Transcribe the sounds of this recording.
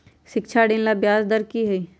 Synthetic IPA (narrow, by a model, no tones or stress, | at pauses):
ʃɪkt͡ʃʰaɖẽːnlabjaːzd̪əɾkiɦɛi